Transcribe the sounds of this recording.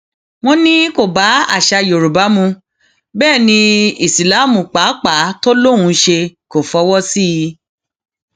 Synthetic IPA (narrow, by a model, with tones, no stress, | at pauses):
w̃ɔ̃˦nĩ˦ko˨ba˨˦a̰˦˨ʃa˧jo˨ɾu˨ba˨˦mũ˧ | bɛː˦˨nĩ˧i˨si˨la˨˦˨mũ˨k͡pa˨˦k͡pa˨˦to˦lõ˦˨ũ˧˦ʃe˧ko˨fɔ˧˦wɔ˦si˦˧